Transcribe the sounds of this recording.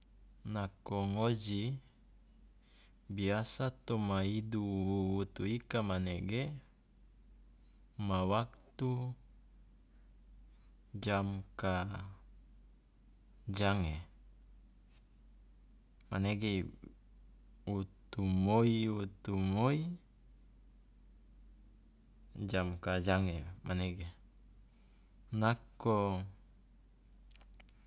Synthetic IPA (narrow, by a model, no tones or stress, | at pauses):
nakoŋod͡ʒi | biasat̪omaiduuut̪uikamaneɡe | mawak̚t̪u | d͡ʒamka | d͡ʒaŋe | ma̰neɡe | ut̪umoiut̪umoi | d͡ʒamkad͡ʒaŋemaneɡe | nako